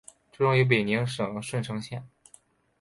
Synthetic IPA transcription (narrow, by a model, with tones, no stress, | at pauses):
ʈ͡ʂɤ˥˧ʈ͡ʂʊ˥˩ŋi˧˥p̬i˨˩ni˧˥ŋʂɤ˨˩ŋ˧˥ʂwə˥˩nʈ͡ʂʰɤ˧˥ŋɕjɛ˥˩n